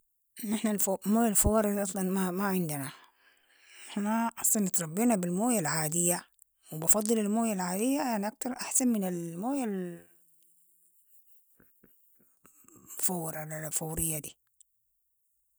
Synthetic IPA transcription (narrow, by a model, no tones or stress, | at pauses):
ʔnːɪħnafmoːjalfawɑːɾˤɪd̪ʔɑsˤlɑnmamaʕɪnd̪ɪna | nɪħnaʔɑsˤlɑnːɪt̪ɾˤɑbːiːnabɪlmoːjalʕaːd̪ɪjːa | wɪbɑfɑd̪ˤːɨlalmoːjalʕaːd̪ɪjːajaʕniʔak̚t̪ɑɾˤʔaħsanmɪnɪlmoːjal | fawɾlfawɾɪjːad̪iː